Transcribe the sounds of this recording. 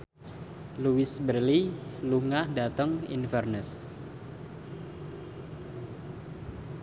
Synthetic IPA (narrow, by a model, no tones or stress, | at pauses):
luwɪsbərliluŋahdat̪əŋḭnfərnəs